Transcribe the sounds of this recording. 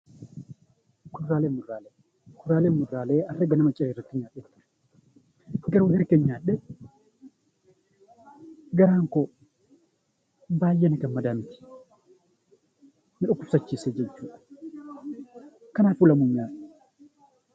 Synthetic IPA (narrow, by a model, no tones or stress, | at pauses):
kʊrːaːleːmʊɾːaːleː | kʰʊrːaːlenmːʊdɾaːleːɐrːɐɡɐnɐmɐt͡ʃʼːɐɾiːrːɐt̪ːɪɲaːɗɛt̪ːʊ̥ | ɡɐɾuːhɛɾkenɲaːᶑːɛ | ɡɐɾaːŋkɔ | baːjːɛnɪkɐnmɐd̪aːmɪt̪ɪ̥ | mɪᶑʊkʊfsɐt͡ʃːiːseːd͡ʒɛt͡ʃːuːᶑɐ̥ | kɐnaːfʊlɐmʊɲːaːᶑɛ